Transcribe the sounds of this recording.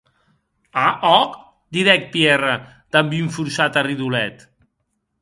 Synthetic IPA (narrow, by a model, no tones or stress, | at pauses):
aʔɔk | d̪iðɛk̪̚pjɛrə | d̪̥ambiuɱfuɾsat̪ariðulɛt̪